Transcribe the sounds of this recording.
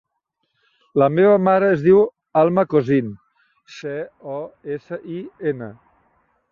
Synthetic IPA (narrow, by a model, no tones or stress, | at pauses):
ləmeβəmaɾəːzðiw | alˠməkozin | seɔesəʔienə